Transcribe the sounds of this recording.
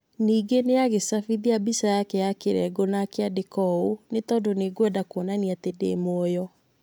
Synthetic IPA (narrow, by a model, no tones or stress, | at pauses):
niːɡeneaɣesafiðiabisajakeakeɾɛ̰ɡonakeadekɔonetɔːndoneɡwɛdakɔnaniatedḛmwɔjɔ